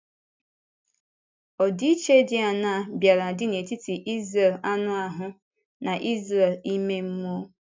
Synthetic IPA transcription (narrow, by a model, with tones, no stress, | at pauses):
ɔ˨di˦i˦t͡ʃe˦dɪ˦a˨na˦˨bja˨ɾa˨dɪ˦ne˨ti˦ti˨ʔi˦zre˨la˦nʊ˦a˨ɦʊ˦ | na˨ʔi˦zre˨li˦me˦m̩˦mu˦o˦